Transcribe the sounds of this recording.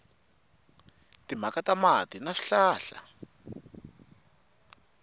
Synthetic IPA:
tim̤akatamatinaʂi̥ɬaːɬa̰

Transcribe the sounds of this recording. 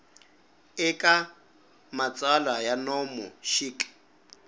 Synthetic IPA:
ɪkʼa | mat͡sʼalajanɔmɔʃiːkʼ

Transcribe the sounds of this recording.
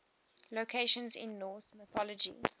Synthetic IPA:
lokʰeɪʃə̃nzɪ̰̃nːɔːsməθɔləd͡ʒḭ

